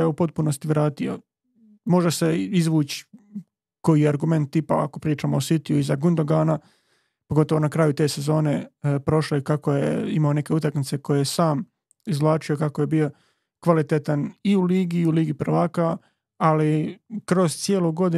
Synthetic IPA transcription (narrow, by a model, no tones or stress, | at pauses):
jeupo̞t̪̚puno̞st̪iʋɾaːt̪io̰ | mo̞ʒeseizʋuːt͡ɕi̥ | ko̞jiaɾɡume̞nt̪̚ːipaa̰ko̞pɾiːt͡ʃaːmoosit̪iuizaɡund̪oɡaːna | poɡo̞t̪o̞ʋo̞nakɾaːjut̪e̞ːse̞zo̞ːne̞pɾo̞ʃlekakojḛimaone̞ke̞ut̪akmit̪se̞ko̞jejesaːm | izʋlˠaːt͡ʃiokako̞jebio̞ | kʋalit̪et̪aniuliːɡiuliːɡipɾ̩ʋaːkaː | likɾo̞z̥t̪sjeːloɡo̞d̪i